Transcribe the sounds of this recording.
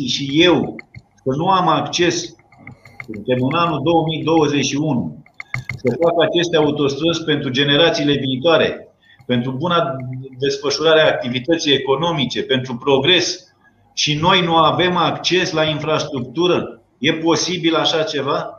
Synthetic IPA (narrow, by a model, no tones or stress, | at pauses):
ʃije̞w | kənuamakt͡ʃe̞s | ɨnt̪emɨnanud̪o̞wəmijd̪o̞wəze̞t͡ʃʃiunu | səfakat͡ʃe̞st̪eaut̪o̞st̪ɾəzʲpe̞nt̪ɾud͡ʒe̞ne̞ɾat̪siːle̞viːt̪oaɾe̞̰ | pe̞nt̪ɾubunad̪e̞sfəʃuɾaɾeaːk̚t̪ivit̪ət̪sije̞ko̞no̞mit͡ʃe̞pe̞nt̪ɾupɾo̞ɡɾe̞s | ʃino̞jnuave̞makt͡ʃe̞slainfɾast̪ɾukt̪uɾə | je̞po̞sibilaʃat͡ʃe̞va